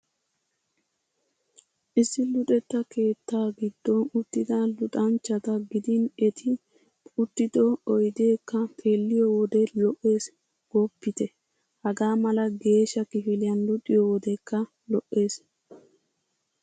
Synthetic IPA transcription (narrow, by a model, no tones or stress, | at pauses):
ʔɪsːɪlʊt̪ʼɛt̪ːɐke̞ːt̪ːaːɡɪd̪̥ːɔʊt̪ːɪd̪alʊt̪ʼɐnt͡ʃːɐt̪ɐɡɪd̪ɪnɛt̪ʰɪ | pʼʊt̪ːɪd̪ɔɔjd̪e̞ːkːɐpʰe̞ːlːɪjɔwɔd̪ɛlɔʔːe̞ːs | ɡ̥ɔpːɪt̪ɛ | hɐɡaːmɐlɐɡe̞ːʃɐkɪfɪlɪjɐnlʊt̪ʼːɪjɔwɔd̪ɛkːɐ | lɔʔːe̞ːs